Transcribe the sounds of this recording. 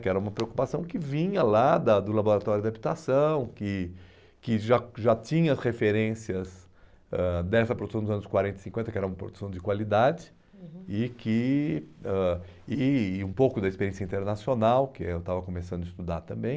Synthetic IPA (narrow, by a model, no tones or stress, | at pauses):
kɪɛɾɐũmɐpɾeoku̥pasɐ̃w̃kɪvĩɲɐlad̪ɐd̪ʊlaboɾat̪ɔɾjʊd̪abit̪asɐ̃w̃kɪ | kɪʒaʒat͡ʃĩɲɐɐsʁefeɾẽsiɐz | ɛd̪ɛsɐpɾod̪u̥sɐ̃w̃d̪zɐ̃nʊskwaɾẽnt̪ɪ̥sĩkẽnt̪ɐkɪɛɾɐũmɐpɾo̰d̪u̥sɐ̃w̃d͡ʒɪkwalid̪ad͡ʒɪ | ɪkɪ | ɛ | ɪũpowkʊd̪ɐispeɾjẽsjɐĩt̪eɾnasionawkɪewt̪avɐkõmesɐ̃d̪ʊɪst̪ud̪aɾt̪ɐ̃mbẽj̃